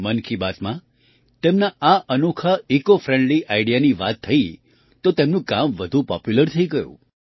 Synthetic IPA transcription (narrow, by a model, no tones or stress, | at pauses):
mənkʰibat̪mã | t̪emnaaʔənukʰəikofɾẽɳɖliʔaiɽijaniʋat̪ʰːəi | t̪ot̪emnũkamʋəd̪ʱũpɔ̰pjuləɾt̪ʰəiɡəjṵ̃